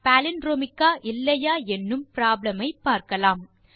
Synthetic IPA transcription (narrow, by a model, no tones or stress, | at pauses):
pælɪnɾoːmɪkːaːʔɪlːɐjaːɛnːɯmpɪɾaːblɐmɐɪpːaːɾkɐlaːm